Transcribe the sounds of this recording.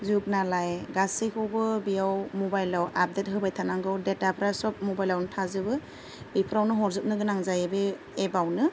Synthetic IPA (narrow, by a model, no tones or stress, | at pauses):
zuk̚nalajɡasikʰɯwbɯbijawmɔbajlawap̚det̚ɦɯbajtʰanaŋɡawdetapʰɾasɔp̚mɔbajlawnɯtʰazɯbɯ | bipʰɯɾawnɯɦɔɾzɯp̚nɯɡɯnaŋzajebɯ | ebawnɯ